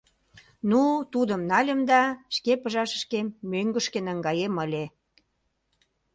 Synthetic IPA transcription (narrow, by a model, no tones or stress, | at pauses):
nut̪ud̪əmnɑlʲə̆md̪ɑʃkepəʒɑʃə̥ʃkemːøŋɡə̆ʃkenəŋɡɑjeməlʲe